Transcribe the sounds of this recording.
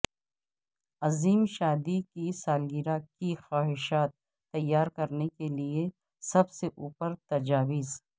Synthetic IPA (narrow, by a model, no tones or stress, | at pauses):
ɐziːmʃaːd̪ikisaːlɡiɾakixaːɦɪʃaːt̪̚ː | ɐjːaːɾkɐɾnekelie | sɐbseʔuːpəɾt̪ɐd͡ʒaːwɪz